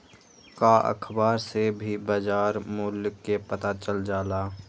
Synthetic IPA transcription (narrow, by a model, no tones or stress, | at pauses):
kaʔə̰kʰbaːɾsebʱibaːd͡ʒaːɾmʊːlkːepət̪at͡ʃəld͡ʒaːlaː